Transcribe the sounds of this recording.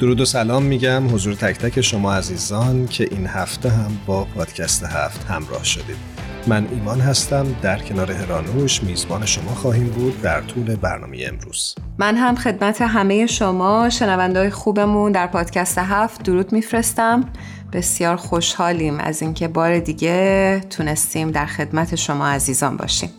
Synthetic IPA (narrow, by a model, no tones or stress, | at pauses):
d̪̥oɾuːd̪osælɒːmːiːɟæmɦo̞zuːɾet̪ʰæcʰt̪ʰæcʰe̞ʃo̞mɒːæziːzɒːncʰe̞ʔiːnhæft̪eɦæmbɒːpʰɒːd̪̥cʰæst̪ehæ̰ft̪hæ̰mɾɒ̰ːhʃod̪iːd̪̥ | mænʔiːmɒːnɦæst̪æmd̪æɾcʰe̞nɒːɾe̞he̞ɾɒːnuʃmiːzbɒːne̞ʃo̞mɒːxɒːɦiːmbuːd̪̚ːæɾt̪ʰuːle̞bæ̰ɾnɒ̰ːmejeḛmɾṵːz̥ | mænɦæmxe̞d̪̚mæt̪ʰe̞ɦæme̞jeʃo̞mɒːʃe̞nævænd̪ɒːjexuːbe̞mund̪æɾpʰɒːd̪̥cʰæst̪e̞ɦæft̪̚d̪oɾuːd̪̥mifɾe̞st̪æm | b̥e̞sjɒːɾxo̞ʃhɒːliːmʔæ̰ziːŋcʰe̞bɒːɾe̞d̪iːɟe̞t̪ʰune̞st̪iːmd̪æɾxe̞d̪mæt̪ʰe̞ʃo̞mɒːæziːzɒːnbɒ̰ːʃḭːm